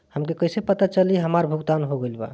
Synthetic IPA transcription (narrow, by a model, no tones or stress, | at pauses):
həmkekəjsepət̪at͡ʃəliɦəmaɾbʱuɡd̪anɦoɡelba̰